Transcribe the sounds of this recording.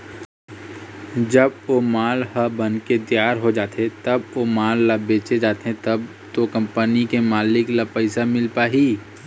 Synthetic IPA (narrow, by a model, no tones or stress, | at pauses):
d͡ʒɐbomaːlɦəbənket̪jaːɾɦod͡ʒaːt̪eẽt̪ɐbomaːlːabeːt͡ʃed͡ʒaːt̪eɦẽt̪ɐb | t̪okɐ̃mpənikemaːlɪklapəɪsamɪlpaːɦiː